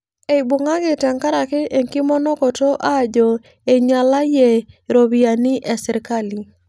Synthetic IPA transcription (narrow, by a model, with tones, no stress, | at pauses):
e˨bo˨ŋa˦ɡɪ˨ta˨ŋka˦ɾa˨kɪ˦ʔe˨ŋkɪ˦mɔ˦nɔ˦kɔ˨to˦ʔa˦˨d͡ʒɔ˨ | e˨ɲa˨la˦je˨ɾo˨bia˨nɪ˦ʔɛ˨sɪ˨ɾka˦li˨